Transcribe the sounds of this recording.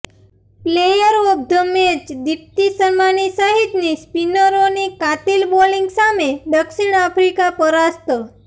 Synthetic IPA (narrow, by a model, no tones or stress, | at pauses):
plejəɾob̚d̪əmet͡ʃd̪ip̚t̪isəɾmanisəɦit̪nispinəɾonikat̪ilboliŋɡsameɖəkʃiɳapʰɾikapəɾast̪ə